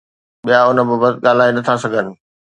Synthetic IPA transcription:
ɓijaʊnə̆bəbət̪ɠaːl̤aːinɐt̪ʰasɐɡʱənɪ̆

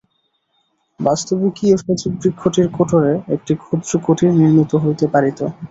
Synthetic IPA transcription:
bast̪obikiefet͡ɕibɾikʰːoʈiɾkoʈʰoɾeek̚ʈikʰud̪ɾokoʈʰiɾniɾmit̪oɦojt̪epaɾit̪o

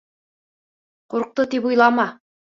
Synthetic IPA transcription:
quɾq̚t̪ɤt̪ipujlˠɑmɑ

